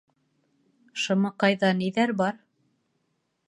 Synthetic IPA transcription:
ʃɤ̆mɤqɑjðɑniðæɾbɑɾ

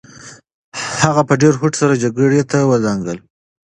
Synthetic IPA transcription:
haɣapəɖeɾɦʊʈsaɾad͡ʒaɡəɽet̪awəzaŋɡəl

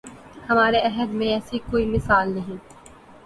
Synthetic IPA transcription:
hɐmaːɾeɐɦəd̪mẽɛːsikoːimɪsaːlnɐɦĩː

